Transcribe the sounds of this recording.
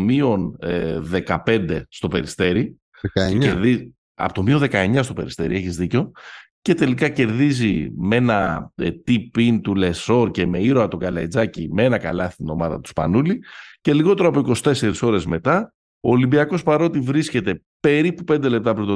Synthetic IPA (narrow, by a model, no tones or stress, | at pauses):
mio̞nðe̞kɐpe̞nd̪e̞st̪o̞pe̞ɾist̪e̞ɾi | ɐeɾði | ɐ̰pot̪omioðe̞kɐeɲɐst̪o̞pe̞̰ɾist̪e̞ɾḭe̞çizðico̞ | ce̞t̪e̞likɐce̞ɾðizime̞nɐt̪ipint̪ule̞so̞ɾce̞me̞iɾoɐt̪o̞ɡɐlɐ̰id͡zɐcimeenɐkɐ̰lɐθit̪ino̞mɐðɐ̰t̪u̥spɐ̰nulice̞liɣo̞t̪eɾoɐpoiko̞si̥t̪e̞se̞ɾiso̞ɾe̞zme̞t̪ɐ | oːlimbiɐko̞spɐɾo̞t̪ivɾisce̞t̪e̞ | pe̞ɾipupe̞nd̪e̞lep̚t̪ɐpɾint̪o